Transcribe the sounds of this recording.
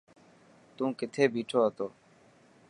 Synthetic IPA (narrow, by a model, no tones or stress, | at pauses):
t̪ũːkɪt̪ʰeːbiːʈʰoːɦət̪oː